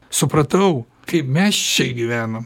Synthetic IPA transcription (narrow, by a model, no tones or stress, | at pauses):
sʊpɾɐt̪ɐʊ | kɐɪpmʲɛst͡ʃʲɛɡʲɪʋʲæːnɐm